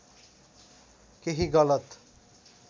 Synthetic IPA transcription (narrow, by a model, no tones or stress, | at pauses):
keɦiɡʌlʌt̪